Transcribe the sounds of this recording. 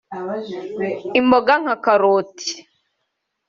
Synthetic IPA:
imboɡaŋ̥akaɾoːtʰi̥

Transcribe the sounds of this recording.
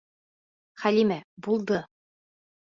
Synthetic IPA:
χælimæbulˠd̪ɤ

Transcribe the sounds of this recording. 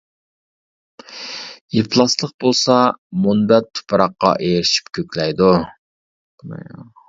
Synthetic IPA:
jipʰlˠɑslˠəq̚bolˠsɑmunbɛt̪ʰːu̥pʰɾɑqːɑ̰ʔeɾɪʃi̥p̚kʲʰøkʲlɛjd̪u

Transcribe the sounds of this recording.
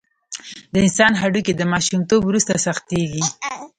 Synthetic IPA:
d̪əɪnsɑnɦaɖuked̪əmɑʃumt̪obwɾust̪asaxt̪eɡi

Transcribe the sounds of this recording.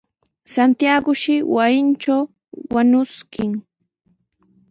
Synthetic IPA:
sant̪jaɡʊʃɪwajɪnt͡ʃaw | waɲʊskʰɪŋ

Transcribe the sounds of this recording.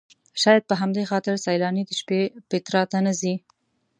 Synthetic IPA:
ʃɑjad̪̚pəɦamd̪exɑt̪ɪɾsajlɑnid̪əʃpepɪt̪ɾɑt̪anəzi

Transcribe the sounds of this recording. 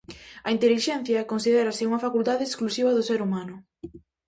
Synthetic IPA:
ɐint̪eliʃɛn̟θjɐkonsið̞eɾɐsɪuŋɐfakult̪aðɪːsklusiβ̞ɐðʊseɾumanʊ

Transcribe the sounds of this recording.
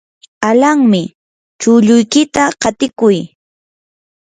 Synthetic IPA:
alaŋmɪ | t͡ʃʊʎʊjkɪt̪aɢɑt̪ɪkʊj

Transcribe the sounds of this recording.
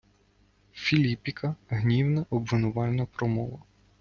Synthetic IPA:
fʲilʲipʲikʰɐɦnʲiwnɐʔɔbʋɪnʊʋɑlʲnɔpɾɔmɔ̰ʋɐ

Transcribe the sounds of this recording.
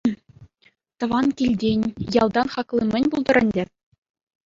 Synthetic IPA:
t̪ɤ̆ʋɑnkʲilʲdʲenʲjɑlˠd̪ɑnχɑklˠimʲɘ̆nʲbulˠd̪ɤ̆ɾɘ̆nʲdʲɘ̆

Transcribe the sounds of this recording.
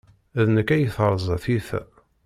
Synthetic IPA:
æðnəkːæjəθəɾˤzˤθiθæ̰

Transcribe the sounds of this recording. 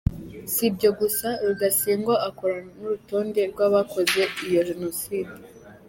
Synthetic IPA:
sibɟo̞ɡusaɾuɡasiːŋɡoʔako̞ɾanuɾuto̞ːnde̞ɾɡwaːβako̞ze̞ijo̞ʒeno̞siːdi

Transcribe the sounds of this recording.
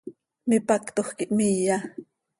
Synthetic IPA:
mipakt̪oχkiʔmija

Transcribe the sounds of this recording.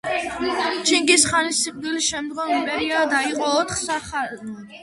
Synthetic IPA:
t͡ʃʰiŋɡisχanisiqʼd̪ilisʃɛmd̪ɡɔnipʼɛɾiad̪aiqʼɔːt̪ʰχsaχa

